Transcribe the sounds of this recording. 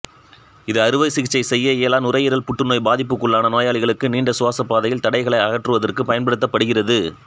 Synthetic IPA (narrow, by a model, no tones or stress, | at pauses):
ɪðɯɐɾɯʋɐɪsɪɣɪt͡ʃːɐɪsɛjːɐeːlaːnʊrɐjɪɾɐlpʊʈːɯnoːjbaːðɪpːɯkːɯɭːaːnɐnoːjaːɭɪɣɐɭɯkːɯniːɳɖɐsʊʋaːsɐpːaːðɐjɪlt̪ɐɽɐɪɣɐɭɐɪɐɣɐʈrɯʋɐðɐrkɯpɐjɐnpɐɽɯt̪ːɐpːɐɽɯɣɪrɐðɯ